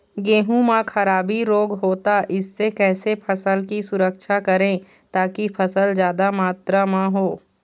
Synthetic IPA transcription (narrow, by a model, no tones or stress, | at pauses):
ɡeːɦũmãkʰɐɾaːbiɾoːɡɦoːt̪aʔɪsːekɛːsepʰɐsəlkisʊɾəkʃʰakɐɾẽː | t̪aːkipʰɐsəld͡ʒjaːd̪amaːt̪ɾamãɦoː